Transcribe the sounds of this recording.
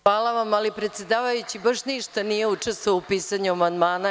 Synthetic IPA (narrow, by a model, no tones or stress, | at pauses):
aːlaʋamalipɾet̪sjed̪aːʋajut͡ɕibaʃniʃt̪anije̞ut͡ʂest̪ooupiːsaɲuamand̪maːna